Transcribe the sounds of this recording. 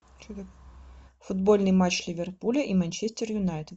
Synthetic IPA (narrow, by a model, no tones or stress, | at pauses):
fud̪bɔlʲnɨjmat͡ʃlʲivʲɛrpulʲɐʔimɐnʲt͡ʃɛsʲt̪ʲɛrjʊnajt̪ɨt̪